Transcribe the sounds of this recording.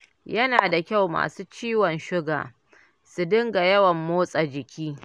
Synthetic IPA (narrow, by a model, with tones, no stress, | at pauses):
jɐ˦naː˨da˨kʲa˦˨wma̰ː˨suː˦t͡ʃiː˦wɔ˨nʃɪ˦ɡa̰ː˨ | su˨dɪ˦ŋɡa˨jɐ˦wɐ˨mːoː˦sʼa˨d͡ʒɪ˨kʲiː˦